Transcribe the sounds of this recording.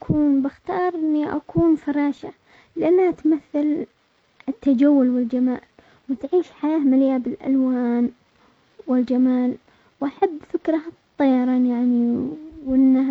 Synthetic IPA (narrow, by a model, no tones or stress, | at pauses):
kʰuːnbɪxt̪ɑːɾˤʔɪnːiʔa̰kuːnfɑɾˤɑːʃa | lʔanːaat̪maθːal | ɪt̪ːad͡ʒawːʊlwɪld͡ʒamaːl | wɪt̪ʕiːʃħajaːmalɪjabɪlʔa̰lwaːn | wɪld͡ʒamaːl | wʔaħabːfɪkɾˤɑt̪ˤːɑjːɑɾˤɑːnjaʕniwʔɪnːa